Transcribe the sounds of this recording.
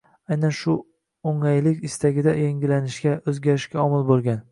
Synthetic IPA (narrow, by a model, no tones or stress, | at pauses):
ajnanʃʊ | oŋajlɪkʲɪst̪aɡʲɪd̪ajeŋɡʲɪlanɪʃɡʲaɵzɡʲaɾɪʃkʲaɒmɪlbolˠɡʲan